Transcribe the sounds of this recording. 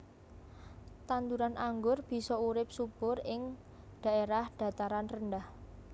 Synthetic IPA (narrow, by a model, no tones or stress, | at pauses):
t̪and̪uɾanʔaŋɡʊrb̥i̤sɔuɾɪp̚sub̥ʊrɪŋ | ɖ̪̥a̤eɾahɖ̪̥a̤t̪aɾanrənɖah